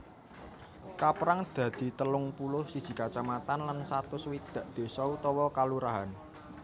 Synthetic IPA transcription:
kapɾaŋd̪̥ä̤d̪̥i̤t̪əlʊŋpulʊhsid̥ʒ̥i̤kat͡ʃamat̪anlansat̪ʊswid̪̥ä̤ʔd̪̥e̤sɔut̪ɔwɔkaluɾaɦan

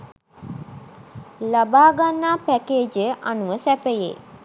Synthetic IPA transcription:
labaːɡanːaːpækeːd͡ʒəʔanuʋəsæpəjḛː

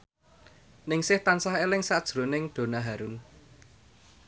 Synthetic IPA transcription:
nɪŋsɪht̪ansahelɪŋsad̥ʒ̥ɾo̤nɪŋɖ̪̥o̤naɦaɾun

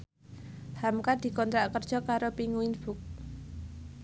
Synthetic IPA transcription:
hamkad̪̥i̤kɔnt̪ɾaʔkərd̥ʒ̥ɔ̤kaɾopiŋuɪnb̥ʊk̚

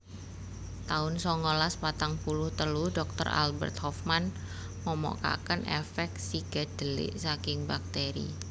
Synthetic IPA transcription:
t̪aʊnsɔŋɔlaspat̪aŋpulʊht̪əludɔk̚t̪ə̰ra̰lbə̰rt̪̚hɔfman | məmɔ̰ka̰kənʔɛfɛk̚siɡ̥a̤d̥əlɪ̰ʔsakɪŋbak̚t̪eɾḭ

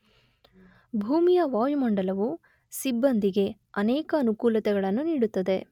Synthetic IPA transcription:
bʱuːmijɐʋaːjumɐɳɖɐlɐʋu | sibːɐnd̪iɡe̞ | ɐnɛːkɐːnukuːlɐt̪ɛɡɐɭɐnːuniːɽut̪ːɐd̪e̞

